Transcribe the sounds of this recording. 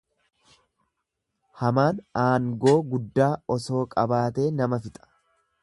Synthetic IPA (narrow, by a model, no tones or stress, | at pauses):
hɐmaːnaːŋɡo̞ːɡʊd̪ːaːɔso̞ːkʼɐbaːt̪e̞ːnɐmɐfɪt̪ʼɐ̥